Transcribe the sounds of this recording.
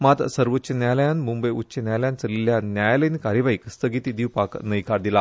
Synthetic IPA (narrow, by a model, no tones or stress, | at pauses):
mat̪səɾʋotːɕənjajləjanmumbəjutːɕenjajljant͡səliljanjajləinkaɾjəʋaikst̪əɡit̪iːd̪iwpaknəjkaɾd̪ila